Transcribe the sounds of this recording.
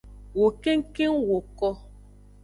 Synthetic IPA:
wo˨ke˦ŋ˦ke˦ŋwo˨kɔ˦

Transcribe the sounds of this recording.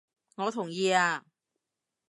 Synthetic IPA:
ŋɔː˨˧t̪ʰʊ˨˩ŋjiː˧aː˧

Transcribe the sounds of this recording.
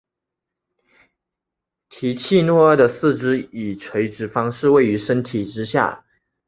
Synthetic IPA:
t̪ʰi˧˥t͡ɕʰi˥˧nwɔ˥˧ə˥˩d̪ə˨sɹ̩˥˩ʈ͡ʂɻ̩˥i˨˩ʈ͡ʂʰwe˧˥ɪʈ͡ʂɻ̩˧˥fɑ˥ŋʂɻ̩˥˧we˥˩ɪy˧˥ʂə˥nt̪ʰi˨˩ʈ͡ʂɻ̩˥ɕja̰˥˩

